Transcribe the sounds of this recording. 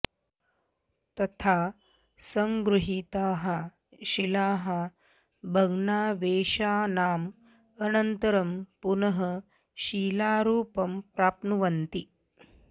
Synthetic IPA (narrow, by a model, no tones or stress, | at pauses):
t̪ɐt̪ʰa | sɐŋɡɾuɦit̪aːɦɐ | ɕilaːɦa | bʱɐɡnaːʋeːʃaːnaːm | ɐnɐnt̪əɾɐmpunɐɦə | ʃiːlaːɾuːpɐmpɾaːpnuʋɐnt̪i